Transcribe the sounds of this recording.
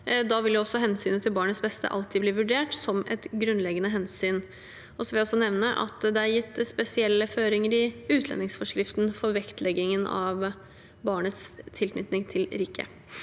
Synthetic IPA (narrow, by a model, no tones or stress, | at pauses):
d̪ɑʋɪljʊɔsːɔɦɛnsyːnət̪ʰɪlbɑːɳət̪sbɛst̪ʰə̰ʔɑ̰lt̪ʰɪbliːʋʉɖeːʈsɔmʔɛ̰t̪ɡɾʉnlɛɡənəɦɛnsyːn | ʔɔsɔʋɪljæɔsːɔnɛʋnəʔɑ̰t̪d̪ɛæɾjɪt̪ːspɛsɪɛlːəføːɾɪŋəɾɪʉːt̪ʰlɛ̰nɪŋsfɔʂkɾɪft̪nfɔɾʋɛkt̪ʰlɛɡɪŋənɑ̰ʋ | bɑːɳət̪st̪ʰɪlkʰnʏt̪nɪŋt̪ʰɪlɾiːkʰə̰